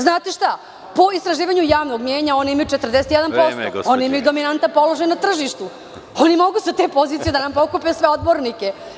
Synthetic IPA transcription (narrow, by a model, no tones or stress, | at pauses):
znaːt̪eʃt̪a | po̞ist̪ɾaʒiːʋaɲujaːʋnoɡmjeːɲao̞niimajut͡ʃe̞t̪rd̪eset̪jɛd̪anpo̞so̰onimajud̪o̞minant̪apo̞lo̞ʒajnat̪r̩ʒiʃt̪u | onimo̞ɡusat̪epo̞ziːt̪sijed̪anampo̞kupesʋe̞o̞d̪bo̞ɾnike